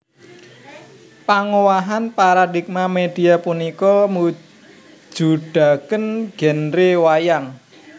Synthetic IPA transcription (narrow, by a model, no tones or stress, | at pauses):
paŋowaɦanpaɾadik̚mamed̥i̤apunikɔmu̥ | d͡ʒ̥ṳɖ̥a̤kənɡ̥ɛ̤nɾewajaŋ